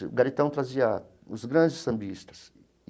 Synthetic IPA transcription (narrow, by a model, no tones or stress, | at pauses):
ɪʊ̰ɡaɾit̪ɐ̃w̃t̪ɾazia | ʊzɡɾɐ̃nd͡ʒɪsɐ̃mbist̪ɐ̥s